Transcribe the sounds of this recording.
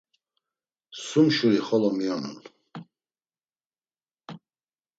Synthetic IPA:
sumʃuliχɔlɔmiɔmṵnl

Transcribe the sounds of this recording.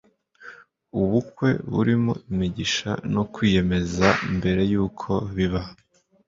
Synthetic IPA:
uβukwe̞̰βṵɾimo̞̰imiɟiʃa̰no̞kwiːje̞me̞zaimbe̞ɾe̞juːkʰo̞βiβa

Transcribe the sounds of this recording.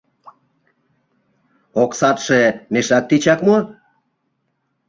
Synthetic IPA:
oksɑt̪ʃemeʃɑk̚t̪it͡ɕɑkmo

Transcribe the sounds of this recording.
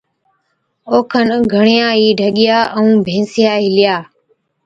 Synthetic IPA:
oːkʰənɡʱəɳɪjãːɦiːɖʱəɠɪjaːʔəũːbʱẽːsɪjaːɦɪlɪjaː

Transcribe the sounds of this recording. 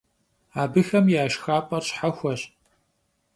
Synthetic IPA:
aːbɨxɐmjaːʃxaːpʼɐrɕħɐxʷɐɕ

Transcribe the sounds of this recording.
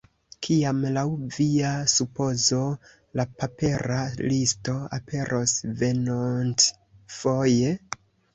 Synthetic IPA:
kʰiamlawviasupo̞zo̞ | lapape̞ɾalisto̞a̰pʰe̞ɾʔo̞sve̞nont | fo̞je̞

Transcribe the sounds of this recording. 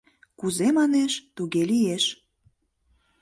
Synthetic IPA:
kuzemɑneʃt̪uɣelijeʃ

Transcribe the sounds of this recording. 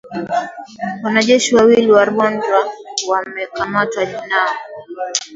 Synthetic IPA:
wanaʄɛʃiwawiliwaɾɔndwawamɛkʰamatwaʄina

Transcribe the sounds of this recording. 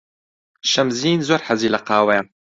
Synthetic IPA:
ʃɐmziːnzoːɾħaziːlɐqaːwɐjan

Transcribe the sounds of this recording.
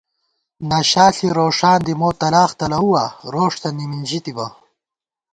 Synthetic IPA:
naːɕaːɬiɾoːʂaːnd̪imoːt̪ɐlaːxt̪ɐlɐuwaːɾoːʂt̪ɐnimind͡ʑit̪ibɐ

